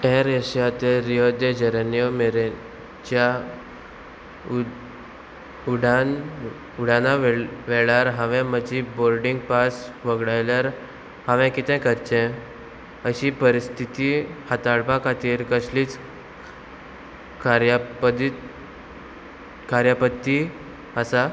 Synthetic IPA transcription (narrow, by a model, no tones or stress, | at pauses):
ɛɾeɕjat̪eɾijod̪ed͡ʑəɾənijɔmeɾe | d͡ʑa | uɽan | uɽ̤anaʋeɭaɾɦãʋɛ̃məd͡ʑiboɾɖiŋɡpasʋəɡɽajlaɾ | hãʋɛ̃kit̪ʰɛ̃kəɾt͡ɕɛ̃ | əɕipəɾist̪ʰit̪ihat̪aɭpãkʰat̪iːɾkəsliːt͡s | kaɾjap̪ | kaɾjapət̪ːi | əsa